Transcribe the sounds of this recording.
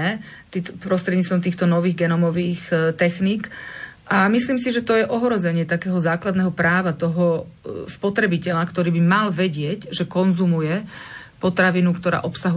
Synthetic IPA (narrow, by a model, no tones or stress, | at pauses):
ɛ | t̪ipɾɔst̪ɾɛd̪ɲiːt͡st̪ʋɔmt̪iːxt̪ɔnɔʋiːɣɡɛnɔmɔʋiːxt̪ɛxniːk | ʔamisliːmsiʒɛt̪ɔjɛʔɔɦɾɔzɛɲɪɛt̪akɛːɦɔzaːklad̪nɛːɦɔpɾaːʋat̪ɔɦɔ | spɔt̪ɾɛbicɛʎakt̪ɔɾiːbimalʋɛɟɪɛɟʒɛkɔnzumujɛ | pɔt̪ɾaʋinukt̪ɔɾa̰ːʔɔpsaɦu